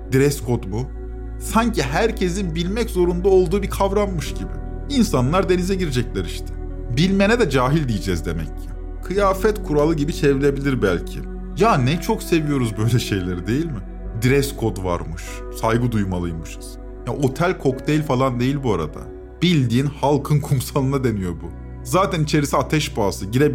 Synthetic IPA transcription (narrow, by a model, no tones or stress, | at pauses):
d̪̥iɾɛskʰo̞d̪bu | saɲciɦæɾcʰe̞zinbilʲmɛczo̞ɾund̪ao̞lˠd̪uːbikʰavɾanmɯʃɟibɪ̰ | insanlˠaɾd̪e̞nizɛɟiɾed͡ʒɛclʲæɾiʃt̪ʰɪ̥ | bilʲme̞nɛd̪ɛd͡ʒaːɦilʲd̪ijid͡ʒɛzd̪e̞mɛcːɪ | kʰɯjaːfɛt̪kʰuɾalˠɯɟibit͡ʃʰe̞viɾʲe̞bilʲiɾbælʲcʰɪ̰ | jaːnɛt͡ʃʰokse̞vijo̞ɾuzbø̞jlʲɛʃe̞jlʲeɾid̪e̞jilʲmɪ | d̪iɾɛskʰo̞d̪va̰ɾmɯʃ | sajɡɯd̪ujmalˠɯjmɯʃɯz̥ | jaʔo̞t̪ʰælʲkʰo̞kt̪ejilʲfalˠand̪e̞jilʲbuaɾa̰d̪a̰ | b̥ilʲd̪iːnhalˠkʰɯnkʰumsalˠɯnad̪e̞nijo̞ɾbu | zaːt̪ʰænit͡ʃʰe̞ɾisiat̪ʰɛʃbaːsɯɟiɾeb